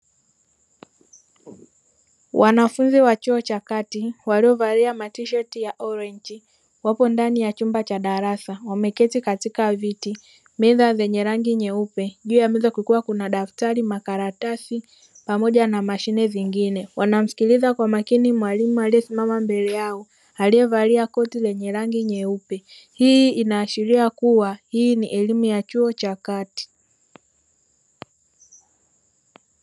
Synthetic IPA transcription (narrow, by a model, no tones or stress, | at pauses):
wʔanafunziwat͡ʃɔɔt͡ʃakatiwaliɔvaɾiamatiʃɛtijaʔɔɾɛɲd͡ʒi | wapɔndanijat͡ʃumbat͡ʃaɗaɾasawamɛkɛtikatikaviti | miðazɛɲɛɾaŋɡiɲɛupɛʄuːjamizakukuwakunaɗaftaɾimakaɾatasi | pamɔʄanamaʃinɛviŋɡinɛwanam̩si̥kilizakwamakinimwalimualiɛsimamambɛlɛjaɔ | aliɛvaliakɔtilɛɲɛɾaŋɡiɲɛupɛ | hiinaːʃiɾiakuwahiːniʔɛlimujat͡ʃuɔt͡ʃakati̥